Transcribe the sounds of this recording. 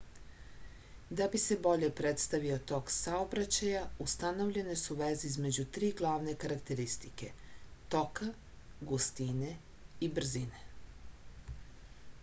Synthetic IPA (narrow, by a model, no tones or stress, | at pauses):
d̪abise̞bo̞ʎe̞pɾet̪st̪aʋio̞t̪o̞ːksaobɾat͡ɕajaust̪ano̞ʋʎe̞ne̞suʋeziizme̞d͡ʑut̪ɾiːɡlˠaːʋne̞kaɾakt̪e̞ɾist̪ike̞t̪o̞ka | ɡust̪ine̞ | ibr̩zine